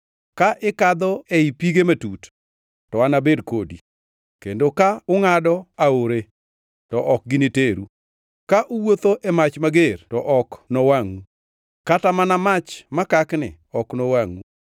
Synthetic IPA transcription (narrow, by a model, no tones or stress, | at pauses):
kaʔɪkad̪ɔeipiɡematut | tɔanabedkodḭ | kendokaʊŋadɔaoɾe | tɔʔɔk̚ɡɪniteɾu | kaʔʊwot̪oʔɛmat͡ʃmaɡertɔʔɔknɔwaŋu | katamanamat͡ʃmakaknɪ̰ | ɔknɔwaŋu